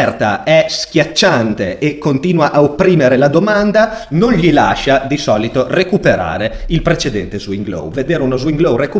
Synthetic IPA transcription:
rt̪a̰ɛsk̟ʲjat͡ʃːant̪eːkːont̪iːnwaʔaopːɾiːmeɾelad̪omand̪anonʎila̰ʃad̪isɔːlit̪orekupeɾa̰ːɾeilpɾet͡ʃed̪ɛnt̪ezwiŋɡlo̰wved̪eːɾeunozwiŋɡlowreku

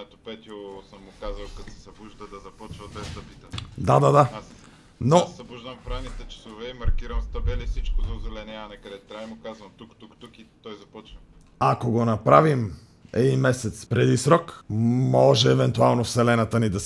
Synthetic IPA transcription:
ɛt̪opɛt̪osəmːʊkazvɐlˠkɐt̪sɛ̥sɐbuʒd̪əd̪ɐzɐpɔt͡ʃvɐd̪bɛzd̪ɐpit̪əd̪ad̪ad̪a | nosɐbuʒd̪ɐmpɾavnit̪ɛt͡ʃɐ̥sovɛimɐɾkiɾɐmst̪ɐbɛlifsit͡ʃkʊzɐʊzɛlɛnɛanɛkɐd̪ɛt̪ɾaimʊkazvɐmt̪ukt̪ukt̪ukit̪ɔjzɐpɔt͡ʃvɐ | akoɡonɐpɾavim | ɛ̰d̪inmɛsɛt̪spɾɛd̪isɾɔkmɔʒɛːvɛnt̪ualˠnofsɛlɛnɐt̪ənid̪ɐs

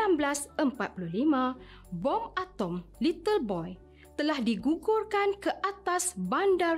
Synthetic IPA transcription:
amblasəmpat̪̚puluhlimã | bɔmat̪ɔmlit̪əlbɔj | t̪əlahdiɡuɡʊrkankəʔat̪asbanda

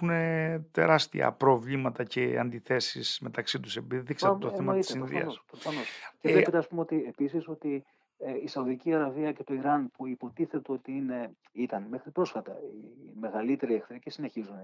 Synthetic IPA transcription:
une̞t̪e̞̰ɾɐst̪ḭɐ̰pɾo̞vlimɐt̪ɐceɐ̰nd̪iθe̞sisme̞t̪ɐksit̪usepiðiksɐt̪oθθemɐit̪sesiɾoððḭɐ̰nospɾofɐno̞scelepet̪eɐspumeot̪iepisiso̞t̪i | isɐuðiciɐɾɐviɐce̞t̪o̞iɾɐnpuipo̞t̪iθe̞t̪eo̞t̪iine̞ | it̪ɐnmexɾipɾo̞sfɐt̪ɐime̞ɣɐlit̪e̞ɾiekt̪ɾicisine̞çizune

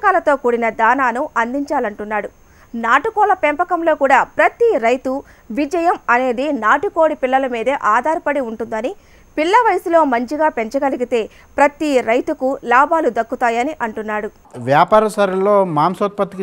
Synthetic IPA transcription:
kaːlɐt̪o̞ːkuːɽinɐd̪aːnaːnuɐnd̪iɲt͡ʃaːlɐɳʈunːaːɽu | naːʈukɔːlɐpempɐkɐmlo̞ːkuːɽaːpɾɐt̪iɾɐjt̪u | ʋid͡ʒɐjɐmɐne̞ːd̪inaːʈuko̞ːɽipilːɐlɐmiːd̪ɐʔaːd̪ʱaːɾipɐɽiuɳʈund̪ɐni | piɭːɐʋɐjsulo̞ːmɐɲt͡ʃiɡaːpe̞ɲt͡ʃɐɡɐliɡit̪e̞ː | pɾɐt̪iɾɐjt̪ukulaːbaːlud̪ɐkːut̪aːjɐniʔɐɳʈunːaːɽu | ʋjaːpaːɾɐsɐɾɐloːmaːmsot̪̚pɐt̪ik

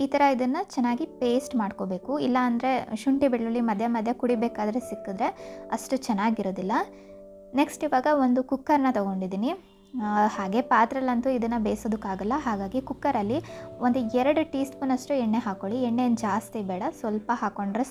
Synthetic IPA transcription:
iːt̪ɐɾɐid̪ɐnːɐt͡ʃɛnːaːɡipe̞ːsʈmaːɖkobe̞ːkuilːɐːnd̪ɾe̞ʃuɳʈibiɽɭɐlːimɐd̪ʱjɐmɐd̪ʱjɐkuɽibeːkaːd̪ɾesikːud̪ɾe̞ɐʂʈut͡ʃɛnːaːɡiɾo̞ːd̪ilːɐ | neksʈiʋaːɡɐo̞nd̪ukukːɐɾnɐt̪ɐɡo̞ɳɖid̪iːni | haːɡe̞paːt̪ɾɐlɐnt̪uid̪ɐnːɐbeːsoːd̪ukːaːɡɐlːɐɦaːɡaːɡikukːɐɾɐlːiond̪uɛɾɐɽuʈiːsʈpunɐʂʈuɛɳːe̞ɦaːko̞ɭiɛɳːend͡ʒaːst̪ibɛːɽɐsʋɐlpɐɦaːko̞ɳɖɾe

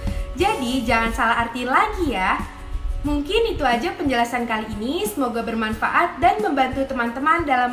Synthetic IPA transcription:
d͡ʒadid͡ʒaŋansalaɦart̪inlaɡijah | muŋkɪnit̪uad͡ʒapəɲd͡ʒəlasankaliːnisəmoɡabərmanfa̰ʔat̪̚danməmbant̪ut̪əmant̪əmandalam

